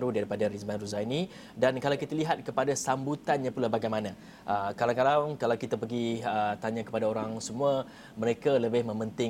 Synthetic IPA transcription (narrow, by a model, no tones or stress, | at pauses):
ɾudaɾipadaɾismanruzanĩ | dankalawkit̪aliɦat̪̚kəpadasambut̪anɲãpulahbaɡajmanã | ʔəkalaŋkalakalawkit̪apəɡiət̪aɲãkə̥padaoɾaŋsəmũa | məɾekaləbɪhmə̃mənt̪ɪ